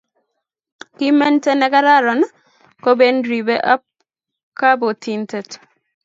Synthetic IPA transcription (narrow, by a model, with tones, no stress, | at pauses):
ki˦mɛ˦nte˦nɛ˨˦ka˦ɾa˦ɾɔ˨n | ko˦be˦ndɾi˨be˦ʔa˦p̚ | ka˦bo˨ti˨nte˨t